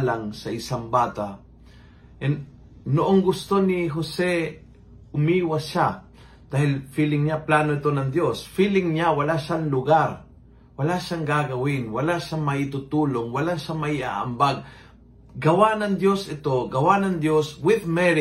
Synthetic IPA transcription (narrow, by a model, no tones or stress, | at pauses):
laŋsɐɪsaŋbaːt̪a | ʔɛn | noʔoŋɡʊst̪onɪɦosɛ | ʊmiːwaʃa | d̪̥aːhɪlfiːlɪŋɲaplaːnoɪt̪onɐŋd̪josfiːlɪŋɲawɐlaʃaŋlʊɡaɾ | wɐlaʃaŋɡaɡɐwɪnwɐlaʃamɐɪt̪ʊt̪uːloŋwɐlaʃamɐia̰ʔa̰mbaɡ̚ | ɡɐwanɐŋd̪josɪt̪oɡɐwanɐŋd̪joswɪðmɛɾɪ